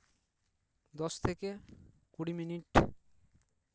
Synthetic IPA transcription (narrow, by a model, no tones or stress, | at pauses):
d̪ɔʃt̪ʰeke | kuɽiminiʈ